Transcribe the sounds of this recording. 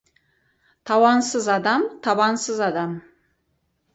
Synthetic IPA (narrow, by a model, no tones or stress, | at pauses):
t̪ʰɑwɑnsəzɑd̪ɑmt̪ʰɑbɑnsəzɑd̪ɑm